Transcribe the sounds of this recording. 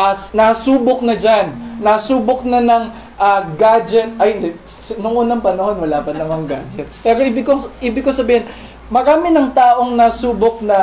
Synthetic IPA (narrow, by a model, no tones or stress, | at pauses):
ʔɐnɐsuːbok̚nɐd͡ʒanːɐsuːbok̚nɐnɐŋ | ʔaɡad͡ʒɛt̪̚ʔɐjnd̪ɛ | snʊŋʔuːnɐŋpɐnɐho̞nwɐlaːpɐnɐmɐŋɡad͡ʒɛt̪spɛːɾoʔiːbɪɡkoŋʔiːbɪɡ̚kosɐbiːhɪn | mɐɾaːmɪnɐŋt̪aːʔo̞ŋnɐsuːbok̚nɐ